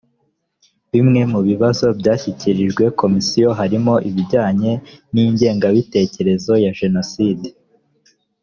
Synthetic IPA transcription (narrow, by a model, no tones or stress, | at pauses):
βimŋe̞muβiβazo̞bjaːçiciɾiʒɡwe̞ko̞misijo̞ɦaɾimo̞ʔiβiɟaːɲe̞niːɲɟe̞ːŋɡaβite̞ːce̞ɾe̞zo̞jaʒe̞no̞siːde